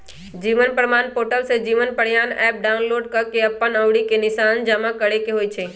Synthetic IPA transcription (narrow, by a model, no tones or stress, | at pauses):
d͡ʒiːʋənpɾəmaːnpoːʈəlsed͡ʒiːʋənpəɽ̤jaːnɛ̰ːp̚ɖaːʊnloːɖkɐɾkeɐpːənəʋɽikenɪʃaːnd͡ʒamakəɽekeɦoːit͡ʃʰeː